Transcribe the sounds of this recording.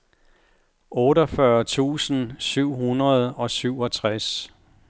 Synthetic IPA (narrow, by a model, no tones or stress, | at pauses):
ʔɔːɾɒfɶɐt͡sʰṵːsn̩syʊ̰ɦunɐð̞̩ˠɒ̽syʊ̰ɒ̽t͡sʰʁas